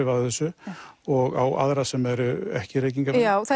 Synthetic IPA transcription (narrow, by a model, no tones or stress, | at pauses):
ɪvaðɛsːʏɔɣawʔa̰ðɾasɛmɛɾʏɛ̰hcɪɾeːjc̬iŋkaaːwθa